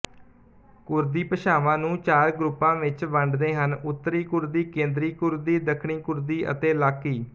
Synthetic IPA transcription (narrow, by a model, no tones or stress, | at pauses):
kʊɾd̪iːpəʃaːʋãːnũːt͡ʃaːɾɡɾʊpːãːʋɪt͡ʃʋəɳɖd̪eːɦənʊt̪ːɾiːkʊɾd̪iːkẽːnd̪ɾiːkʊɾd̪iːd̪əkʰɳiːkʊɾd̪iːʔə̰t̪eːlaːkːiː